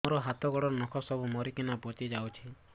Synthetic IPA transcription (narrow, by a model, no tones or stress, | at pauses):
ɔɾɔɦat̪ɔɡɔɽɔɾnɔkʰɔsɔbumɔɾikinapot͡ʃ̪id͡ʒawt͡ʃʰi